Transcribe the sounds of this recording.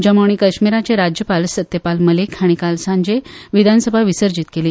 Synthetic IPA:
d͡ʑamoɳ̃iːkəɕmiɾat͡ɕeɾad͡ʑjəpalsət̪jəpalməlekʰaɽ̃ikalsãɲd͡ʑeʋid̪ʱansəbʱaʋisəɾd͡ʑit̪keliː

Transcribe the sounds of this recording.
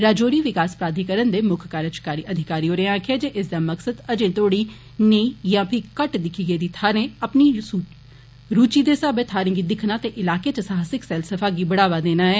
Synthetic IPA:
ɾaːd͡ʒoːɾiːʋɪkaːspɾaːd̪ʱikəɾənd̪eːmʊkʰkaːɾət͡ʃkaːɾiʔəd̪ʱɪkaːɾiːoɾeãːkʰeːd͡ʒeʔɪsd̪aməksəd̪ɐd͡ʒẽːt̪oːɽi | neijãːpʰɪkəʈd̪ɪkʰiːɡed̪it̪ʰaːɾẽɐpni | ɾuːt͡ʃid̪esəbet̪ʰaːɾẽːɡid̪ɪkʰnaːt̪eʔɪlaːket͡ʃəsaːɦəsɪksɛːlsəfʰaːɡibəɽaːʋaːd̪eːnaːɦɛː

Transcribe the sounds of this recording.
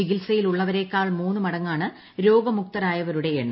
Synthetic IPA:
iɡilsɐjiluɭːɐʋɐɾe̞ːkːaːɭmuːnːɨmɐɽɐŋːaːɳɨ | ɾo̞ːɡɐmuk̚t̪ɐɾaːjɐʋɐɾuɽe̞eɳːɨ

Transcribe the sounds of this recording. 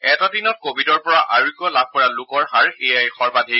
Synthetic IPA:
ɛtadinɔt̚kobʱidɔɹpɔɹaʔaɹikːɔlab̚ʱkɔɹalʊkɔɹxaɹejajxɔɹbadʱi

